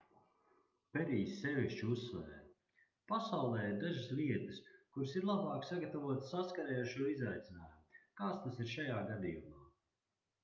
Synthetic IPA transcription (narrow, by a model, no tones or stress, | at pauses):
pɛɾiːsːɛviʃt͡ʃusːvɛ̰ːɾ | pasawlˠɛːiɾd̪aʒasliɛt̪əskuɾsiɾlˠabaːksaɡat̪avuɔt̪saskaɾɛːaɾʃuɔizajt̪sinaːjumukaːt̪st̪asiɾʃajaːɡad̪ḭjumaː